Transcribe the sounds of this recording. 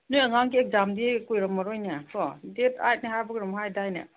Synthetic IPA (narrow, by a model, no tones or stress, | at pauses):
nujɐŋaŋɡiek̚zamdikujɾɐmːɐɾojnapʰɔdeta̰jt̚nehajbɐɡɾɔmɦajdajnɐ̰